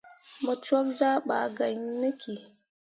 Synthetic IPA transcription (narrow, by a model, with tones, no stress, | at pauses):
mu˨t͡ʃɔ˦kza˦ɓa̰ː˨ɡa˨ɲnɨ˦kʲi˨